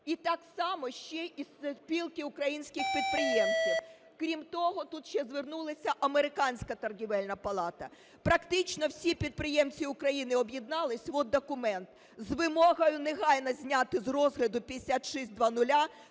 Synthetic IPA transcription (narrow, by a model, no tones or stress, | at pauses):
it̪ɑksɑmɔʃt͡ʃɛʔispʲilˠkɪʊkɾɐjinʲsʲkʲɪxpʲid̪̚pɾɪjɛmt͡sʲiw | kɾʲimt̪ɔɦɔt̪ut̪ʃt͡ʃɛzʋernulˠɐsʲɐʔɐmeɾɪkɑnʲsʲkɐt̪ɐrɦʲiʋɛlʲnɐpɐlˠɑt̪ɐ | pɾɐkt̪ɪt͡ʃnɔwsʲipʲid̪̚pɾɪjɛmt͡sʲiʊkɾɐjinɪɔbjid̪nɑlˠɪsʲʋɔd̪̚d̪ɔkʊmɛnt̪ | zʋɪmɔɦɐjʊneɦɑjnɐzʲnʲat̪ɪzrɔzɦlʲɐd̪ʊpʲid̪esʲat̪ʃɛsʲt̪̚ʲd̪ʋɑnʊlʲa